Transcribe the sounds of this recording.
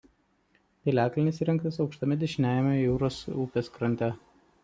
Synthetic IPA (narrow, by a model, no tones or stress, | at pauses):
pʲelʲæːklʲɪnʲɪsiːɾʲɛŋkt̪ʲɐsɒʊkʃt̪ɐmʲɪd̪ʲɛʃʲɪnʲæːjɛmʲɛjuːɾoːsuːpʲeːskɾɐnʲt̪ʲɛ